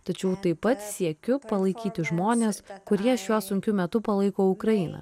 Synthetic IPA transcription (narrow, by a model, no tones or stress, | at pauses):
t̪ɐt͡ʃʲɛʊt̪ɐɪpːɐt̪sʲiɛkʲʊpɐlˠɐɪkʲiːt̪ʲɪʒmoːnʲeːskʊɾʲiɛʃjuɔsʊŋʲkʲʊmʲɛt̪ʊpɐlˠɐɪkoːʊkɾɐɪnɐ̰